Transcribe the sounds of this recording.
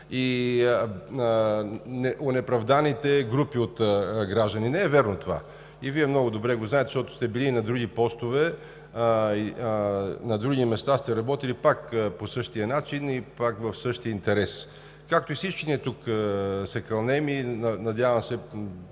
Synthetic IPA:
i | nɛʔonɛpɾɐvd̪anit̪ɛɡɾupiot̪ɡɾaʒd̪əninɛɛvɛɾnot̪ova̰ | iviɛmnɔɡʊd̪obɾɛɡoznaɛt̪ɛ̥ʃt̪ɔt̪ʊ̥st̪ɛbiliːnɐd̪ɾuɡipɔst̪ovɛ | i | nɐd̪ɾuɡimɛst̪ast̪ɛɾɐbɔt̪ilipakposɤʃt̪ijɐnat͡ʃinipakvɐfsɤʃt̪iəint̪ɛɾɛs | kak̚t̪oisit͡ʃkiniɛt̪ukəsɛkɾɐlˠnɛminɐd̪ʲjavɐmsɛ

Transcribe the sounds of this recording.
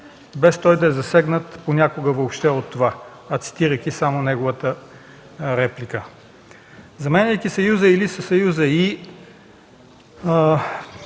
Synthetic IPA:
bɛst̪ɔjd̪ɐɛzɐsɛɡnət̪ponʲakoɡəvoːpʃt̪ɛot̪ːova | ɐt̪si̥t̪iɾəjkisamonɛɡovət̪ə | ɾɛplikə | zɐmɛnɛjkisɐjuzəilisəsɐjuzəi

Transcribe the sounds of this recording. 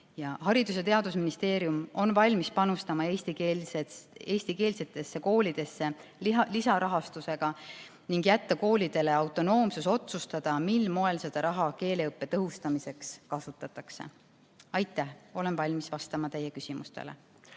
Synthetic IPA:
jɑhɑɾid̪̥us̬e̞t̪e̞ɑd̪usminist̪e̞ːɾjumo̞nvɑlʲmispɑnust̪ɑmɑe̞ːsʲt̪ikeee̞ːsʲt̪ike̞ːlse̞t̪ːˑe̞sːe̞ko̞ːlʲid̪̥e̞sːe̞lisɑɾɑɦɑst̪use̞ɡ̥ɑ | niŋɡjæt̪ːɑko̞ːlʲid̪e̞le̞ɑwt̪ːˑo̞no̞ːmsuso̞t̪sust̪ɑd̪̥ɑmilːmo̞e̞lse̞d̪̥ɑɾɑɦɑke̞ːleɤpːe̞t̪ɤɦust̪ɑmise̞kskɑsut̪ːˑɑt̪ːˑɑkse̞̰ | ɑjt̪ːˑæho̞le̞nvɑlʲmisvɑst̪ɑmɑt̪e̞jːekysimust̪ḛlḛ

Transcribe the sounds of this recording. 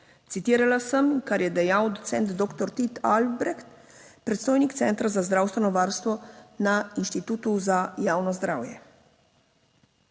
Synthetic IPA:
t̪sit̪iːɾalasəmkaɾjɛd̪ɛjawd̪ɔt̪sɛnt̪d̪ɔːkt̪ɔɾt̪it̪albɾɛxt̪ | pɾɛt̪st̪oːjnikt̪sɛnt̪ɾazazd̪ɾaːwst̪ʋɛnɔʋaɾst̪ʋɔnainʃt̪it̪uːt̪uzajaːwnɔzd̪ɾaːwjɛ

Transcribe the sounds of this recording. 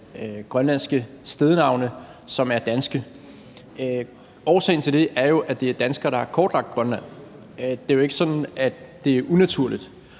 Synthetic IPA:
øɡ̥ʁɶnlæn̰sɡ̥ə | sd̥eðˠənɑ̈ʊnə | sɒ̽mæɐd̥ænsɡ̥ə | ø | ɒʊsɛ̰ɪn̩t͡sʰe̝ld̥e̝ʔæɐjo̝ʔæd̥e̝æɐd̥ænsɡ̥ɐːɾ̥ɑhɑɐkʰɒːd̥lɑ̈ɡ̥̚d̥̚ɡ̥ʁɶnlæn̰ | d̥e̝æjoe̝ɡ̥əsɒ̽d̥n̩æd̥e̝æɐʔunæt͡sʰuɐ̰lid̥

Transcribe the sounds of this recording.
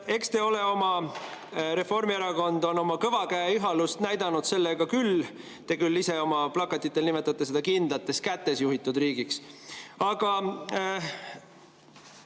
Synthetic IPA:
e̞kst̪e̞o̞le̞o̞mɑ | ɾe̞fo̞rmieɾɑko̞nd̪̥o̞no̞mɑkɤvɑkæjiɦɑlust̪næjd̪ɑnud̪̥se̞lːeɡ̥ɑkyl | t̪e̞kylːise̞o̞mɑplɑkːˑɑt̪ːˑit̪ːˑelnime̞t̪ːˑɑt̪ːˑese̞d̪̥ɑkind̪̥lɑt̪ːˑe̞skæt̪ːˑe̞sjuɦit̪ːˑud̪riːɡiksɑɡ̥ɑ

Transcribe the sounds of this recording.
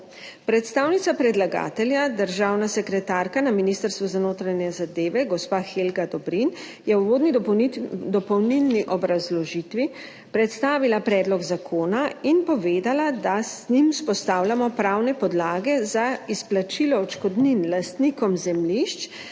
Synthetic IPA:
pɾɛt̪st̪aːwnit̪sapɾɛd̪laɡa̰ːt̪ɛljad̪əɾʒawnasɛkɾɛt̪aːɾkanaminist̪əɾst̪ʋuzanoːt̪ɾanɛzad̪eːʋɛɡɔspaːxelɡad̪ɔbɾin | jɛuʋoːd̪ni | d̪ɔpɔwnilniʔɔbɾazlɔʒit̪ʋi | pɾɛt̪st̪aːʋilapɾɛːd̪lɔɡzakʰoːnainpɔʋeːd̪alad̪aznimspɔst̪aːwlʲamɔpɾawnɛpɔd̪laːɡɛzaisplat͡ʃilɔɔt͡ʃkɔd̪ninlast̪nikɔmzɛmliʃt͡ʃ

